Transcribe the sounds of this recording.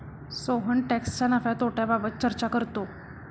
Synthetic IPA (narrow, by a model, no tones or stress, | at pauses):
soɦəɳʈɛkst͡ɕanafjat̪oʈjababət̪̚t͡ɕəɾt͡ɕakəɾt̪o